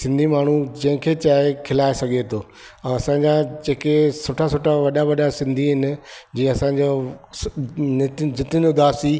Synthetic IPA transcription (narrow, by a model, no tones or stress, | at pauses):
sɪ̃nd̪ʱimaːɳ̤ud͡ʑɐ̃ɦɪ̃kʰeːt͡ɕaːekʰɪlaːesɐɡʱet̪ʰoː | ɛ̃ɐsãːɲd͡ʑad͡ʑeːkesoːʈʰasoːʈʰaʋɐɗaʋɐɗasɪ̃nd̪ʱiɦɪnɪ̆d͡ʑĩːɐsãɲd͡ʑo | nɪt̪d͡ʑɪt̪ɪnʊd̪ʱaːsi